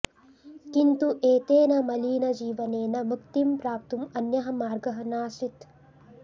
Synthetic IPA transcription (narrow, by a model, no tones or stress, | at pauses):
kint̪uʔeːt̪eːnɐmɐliːnɐd͡ʒiːʋɐneːnɐmukt̪impɾaːp̚t̪umɐnjɐɦɐ̆maːɾɡɐɦɐnaːsɾit̪